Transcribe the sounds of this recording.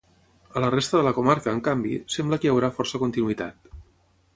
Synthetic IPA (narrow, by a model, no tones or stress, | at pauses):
ələrest̪əðələkumaɾkəːŋkambḭsɛmbləkəjəwɾafɔrsəkunt̪inuit̪a̰t̪